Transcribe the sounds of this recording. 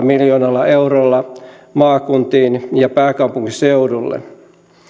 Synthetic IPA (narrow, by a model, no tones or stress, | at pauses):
miljoːnɑlːɑeuɾoːlːɑmɑːkunt̪iːnjɑpæːkɑupuŋkiseudulːḛ